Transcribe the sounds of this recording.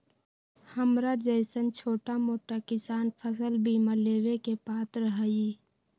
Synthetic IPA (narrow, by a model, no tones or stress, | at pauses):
həmɾad͡ʒəjsənt͡ʃʰoːʈamoːʈakɪsaːnpʰəsəlbʱimə̃leːwekepaːt̪ɾəɦəi